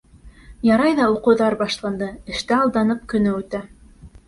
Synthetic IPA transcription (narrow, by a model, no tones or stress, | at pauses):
jɑɾɑjðɑuqɤ̆wðɑɾbɑʃlˠɑnd̪ɤɘ̆ʃt̪ɘɑlˠd̪ɑnɤp̚kɵ̆nɘʉt̪æ